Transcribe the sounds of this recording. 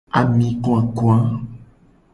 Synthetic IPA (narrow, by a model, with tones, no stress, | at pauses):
a˨mĩ˦kõ˦a˨ku˦a˦